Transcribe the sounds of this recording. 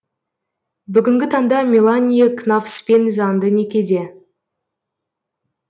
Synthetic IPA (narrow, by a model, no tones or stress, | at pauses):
bʏɡʲɪŋɡʲɪt̪ʰɑŋd̪ɑmʲilˠanʲijeknafspenzɑnd̪ənekʲe̞d̪e̞